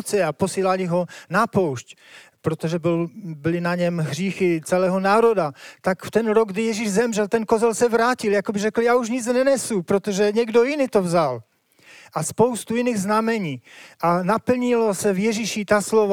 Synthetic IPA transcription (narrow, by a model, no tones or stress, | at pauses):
t͡sɪaposiːlalɪɦo̞napowʃc | pɾot̪oʒɛbɪlbɪlɪnaɲɛmɦr̝iːxɪt͡sɛlɛːɦonaːɾo̞dat̪akft̪ɛnɾoɡ̚ɡdɪjɛʒiʒzɛmʒɛlt̪ɛnkozɛlsɛvɾaːcɪljakobɪʒɛkl̩jaːuʃɲɪt͡snɛnɛsupɾot̪oʒɛɲɛɡdojɪnit̪ovzal | ʔaspo̞wst̪ujɪniːɣznamɛɲiːʔanapl̩ɲɪlosɛvjɛʒiʃit̪aslov